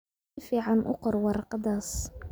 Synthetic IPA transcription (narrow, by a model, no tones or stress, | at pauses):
fiʕanʔʊ̰qɾˤwɑɾˤqɑd̪ɑsˤ